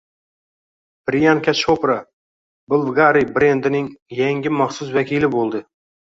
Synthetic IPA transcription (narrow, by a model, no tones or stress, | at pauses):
b̥ɾijankʰʲaʃopɾa | bʊlˠvɡaɾibɾe̞nd̪ɪnɪŋjaŋɡʲɪmɑχsʊsvakʲʰilɪbolˠd̪ɪ